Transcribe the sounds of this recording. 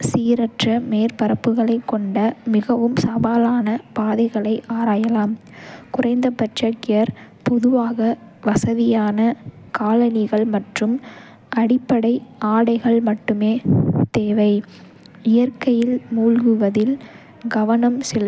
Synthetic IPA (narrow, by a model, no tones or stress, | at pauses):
siːɾɐʈrɐmeːɾpɐɾɐpːɯɣɐɭɐɪkːɔɳɖɐmɪɣɐʋɯmsɐbaːlaːnɐpaːðɐɪɣɐɭɐɪʔaːɾaːjɐlaːm | kʊrɐɪnd̪ɐpɐt͡ʃɐkːɪjɐɾ | pɔðɯʋaːɣɐʋɐsɐðɪjaːnɐkaːlɐnɪɣɐɭmɐʈrɯm | ʔɐɽɪpːɐɽɐɪʔaːɽɐɪɣɐɭmɐʈːɯmeːt̪eːʋɐɪ | ɪjɐɾkɐjɪlmuːlɣɯʋɐðɪl | ɡɐʋɐnɐmsɪ